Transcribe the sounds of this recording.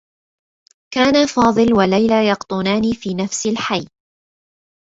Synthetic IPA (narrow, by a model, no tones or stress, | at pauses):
kaːnafɑːðˤɨlwalajlajɑqt̪ˤʊnaːniːfiːnafsɪlħajː